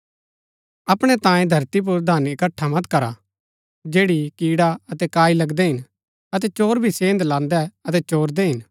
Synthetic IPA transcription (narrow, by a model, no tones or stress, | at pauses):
ɐpɽ̃ɛt̪ãːjẽd̪ʱɐɾt̪ip̬ʊɾd̪ʱaːnɪkɐʈʰːamɐt̪kɐɾa | d͡ʒeːɽikiːɽaɐt̪ɛkaːilɐɡd̪ɛɦɪn | ɐt̪ɛt͡ʃoːɾbʱisẽːnd̪lãːnd̪ɛɐt̪ɛt͡ʃoːɾd̪ɛɦɪn